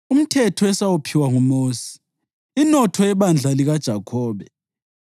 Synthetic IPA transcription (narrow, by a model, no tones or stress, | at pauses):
um̩tʰɛtʰɔɛsawupʰiwaŋumoːsi̥ | inɔtʰɔɛβand͡ɮʱaliɣad̥ʒ̥ʱakʰɔːβɛ